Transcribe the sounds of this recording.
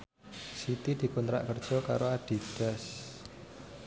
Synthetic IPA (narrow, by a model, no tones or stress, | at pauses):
sit̪id̪̥i̤kunt̪ɾa̰ʔkərd̥ʒ̥ɔ̤ka̰ɾoad̪̥i̤d̪̥a̤s